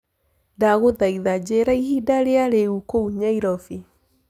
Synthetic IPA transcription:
daɣoðaiðad͡ʑeɾaiɦidaɾeaɾeukouɲaiɾɔfi

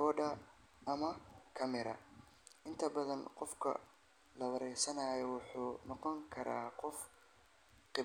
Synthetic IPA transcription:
ɔːɖɐː | mɐkʰɐmɪɾɐ̰ | ʔɪnt̪ʰɐbɐðɐnqɔfkʰɐ̰ | lɐwɐɾɛjsɐnaːjɔwʊħuːnɔqɔŋkʰɐɾa̰ːqɔf | qɪ

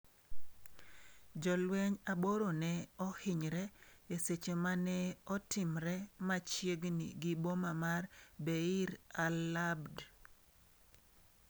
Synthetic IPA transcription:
d͡ʒɔlwɛɲaboɾonɛɔhɪɲɾɛeset͡ʃemanɛɔtɪmɾɛmat͡ʃjeɡnḭɡibomamarbeiɾalabd

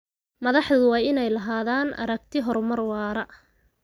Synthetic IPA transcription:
mɐðɑħðoːʊwɑːɪnɛjlɐɦaːðaːnʔɐ̰ɾɐɡ̚t̪ʰɪɦɔrmɐrwɑːɾɐ

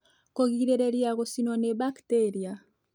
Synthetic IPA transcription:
koɣiɾeɾeɾiaɣosinɔneβakteɾia

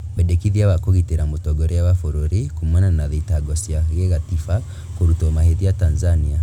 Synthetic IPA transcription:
βɛdekiðiaβakoɣiteɾamotɔɡɔɾɛawafoɾoɾikumwɛnanaðitaɡɔsiaɣeɣatifa | koɾutɔmaheðiatanzania

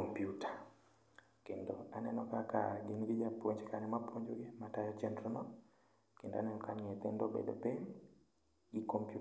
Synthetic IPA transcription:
ompjuta | kendoanɛnɔkakaɡɪnɡɪd͡ʒapwoɲd͡ʒkanɛmapwoɲd͡ʒoɡɪmatajɔt͡ʃɛndɾɔnɔ | kenda̰nɛnɔkaɲet̪endobḛdo̰bem | ikompju

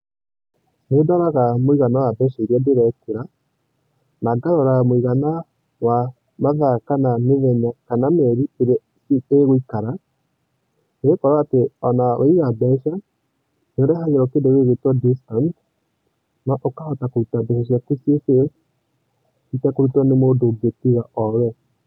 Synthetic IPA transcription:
nedaɾaɣamoiɣanawabɛʃaiɾiɛndeɾɛkuɾa | naɡaɾɔɾamoiɣana | wa | maðakanameðɛɲakanamɛɾieɾe | seɣoikaɾa | neɣekɔɾaːteɔ̰nawʔa̰iɣabɛʃa | neoɾɛhaɣeɾɔkendeɣeɣetwadistɔnt | naʔokahɔtakoɾutabɛʃaʃ̬jakusjese | itɛkoɾutanemoːdoɡetiɣaʔɔɾɛ

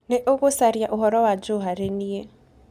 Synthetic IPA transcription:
nɛʔoɣosaɾjaʔuɦɔɾɔwad͡ʒoɦaɾenie

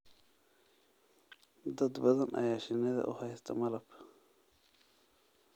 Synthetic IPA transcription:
d̪ɐd̪bɐðɐnʔɐ̰jaːʃɪnːɛðɐ̰ʔʊ̰hɐjst̪ʰɐmɐlɐb̥

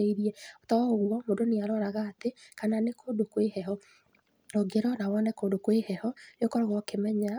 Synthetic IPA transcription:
eiɾiɛotɔoɣwɔmodoneaɾɔːɾaɣaːtekananekʰodokwehɛɦɔ | oɡeɾɔnawɔnɛkoːdokwehɛhɔjokɔɾaɣɔkemɛɲa

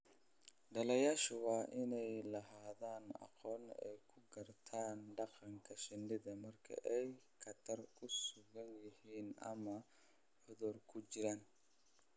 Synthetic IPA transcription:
ɖɐlɐjaːʃʊwɑːʔɪnɛjlɐɦaːðaːnɑ̰qɔːnɛ̰jkʰʊɡɐrt̪ʰaːnɖɑqɑŋkʰɐʃɪnɖɪðɐmɐrkʰɐ̰ʔɛj | kʰɐt̪ʰɐrkʰʊsʊɣɐnjɪhiːnʔɐ̰mɐ | ħʊðɔrkʰʊt͡ʃɪɾaːn

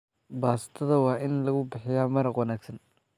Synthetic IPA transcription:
baːsɪ̥t̪ʰɐðɐwɑːʔɪnlɐɣʊbɪħɪjaːmɐɾɑqwɐnaːɡsɐn

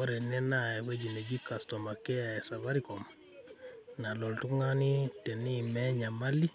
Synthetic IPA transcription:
wɔɾɛnɛnajɛked͡ʒined͡ʒikastɔmakɛjaɛsaβaɾikɔm | nalɔltuŋanitɛnimɛɲamalːi

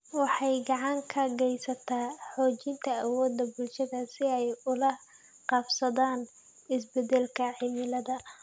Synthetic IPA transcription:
wɑħɑjɡɑʕɑŋkʰɐɡɛjsɐt̪ʰaːħɔːt͡ʃɪnt̪ʰɐːwɔːd̪ːɐbʊlʃɐðɐsɪɛjʊlɐ | qɑbsɐðaːn | ɪs̬bɛdɛlkʰɐʕɪmɪlɐðɐ

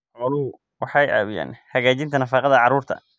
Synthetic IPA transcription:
ʕʊlʊhʊ | wʔɑħɑjʔa̰ːβʊja̰ːnhɐɣaːt͡ʃɪnt̪ʰɐnɐfɑqɑðɐʕɑɾuːrt̪ʰɐ̰

